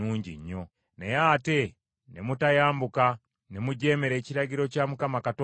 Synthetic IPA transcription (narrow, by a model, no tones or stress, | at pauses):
uːɲɟḭɲːo | nejaːte̞ | nemutajaːmbuka | nemuɟe̞ːmeɾe̞ːciɾaɟiɾo̞caːmukamakato